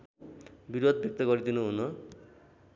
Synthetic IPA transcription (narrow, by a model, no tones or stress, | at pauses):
biɾod̪̚ʱbek̚t̪ʌɡʌɾid̪inuɦunʌ